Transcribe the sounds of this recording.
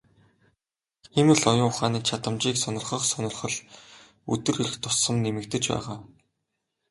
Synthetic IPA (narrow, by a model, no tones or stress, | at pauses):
xemɘ̆ɮɔjʊ̃ŋʊχaːniːt͡ɕʰat̪ə̆mt͡ɕiːksœnɪ̆rχə̆χsœnʲɪ̆rχɞ̆ɮ | ɵ̰t̪ɘ̆rirɾɘ̆xt̪ʰʊ̥sə̆mnemɘ̆kt̪ɘ̆t͡ɕpæ̰ːʁaː